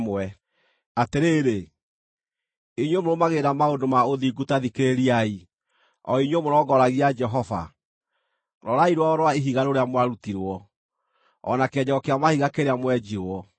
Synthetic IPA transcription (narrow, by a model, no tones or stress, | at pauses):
mwɛ | ateɾeːɾe | iɲwemoɾomaɣeɾamaondomaoðiɡutaðikeɾeɾiai | ɔiɲwomoɾɔɡɔɾaɣiad͡ʒɛɦɔva̰ | ɾɔɾaiɾwaɔɾwaeɦiɣaɾoɾeamwaɾutiɾwɔː | nakeɛɲɛɔkeamahiɣakeɾeamwɛd͡ʒiɔ